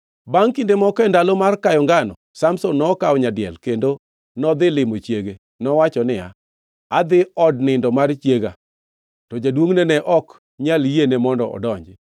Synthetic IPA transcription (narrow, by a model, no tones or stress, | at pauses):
baŋkindemɔkɛndalomarkajɔŋɡanɔ̰samsonːɔkaɔɲadɪɛ̰lkendo | nɔd̪ɪlɪmot͡ʃjeɡe | nɔwat͡ʃɔnɪja̰ | ad̪ɪɔdnɪndɔmart͡ʃjeɡa | tɔd͡ʒadwoŋnenɛʔɔk | ɲaljenemɔndɔɔ̰dɔɲd͡ʒɪ